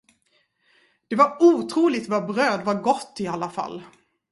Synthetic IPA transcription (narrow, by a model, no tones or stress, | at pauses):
d̪̥ɛvaɾuːt̪ʰɾuːlɪɡ̚t̪vaɾbɾøːd̪vaɾɡɔt̪ːɪalːafa̰lː